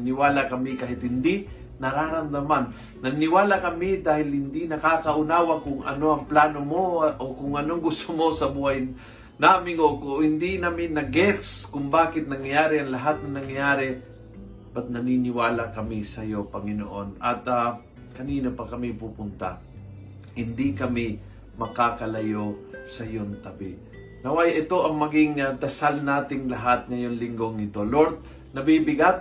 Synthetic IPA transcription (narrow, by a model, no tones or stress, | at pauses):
nɐnɪwaːlakɐmɪkaːɦɪt̪hɪnd̪i | nɐɾaːɾɐmd̪ɐmanː | ɐnɪwaːlakɐmɪd̪aːhɪlhɪnd̪inɐkaːkɐʔʊnaːwɐkʊŋɐ̰no̞ʔɐŋplaːnomo̞ʔokʊŋɐnoŋɡʊst̪omo̞sɐbuhɐj | naːmɪŋokohɪnd̪inamɪnɐɡɛkskʊŋbaːkɪt̪̚nɐŋjjaːɾɪɐŋlɐɦat̪̚nɐŋnɐŋjjaːɾɛ | b̥ɐt̪̚nɐninɪwaːlakɐmisɐjo̞pɐŋɪno̰ʔo̞nɐt̪a | kɐniːnopɐkɐmipupʊnt̪a̰ | hɪnd̪ikɐmi | mɐkakɐlɐjosɐjont̪ɐbɪ | nɐwajʔɪt̪o̞ʔɐŋmɐɡɪŋɐd̪ɐsalnaːt̪ɪŋlɐɦat̪̚ŋɐjo̞nlɪŋɡo̞ŋnɪt̪o̞loɾt̪̚ | nɐbibɪɡat̪̚